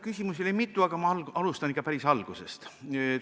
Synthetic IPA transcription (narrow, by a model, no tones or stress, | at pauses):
kysʲimusilejmit̪ːˑuɑɡ̥ɑmɑɑlɑlust̪ɑnikːˑɑpæɾisɑlɡ̥use̞̰st̪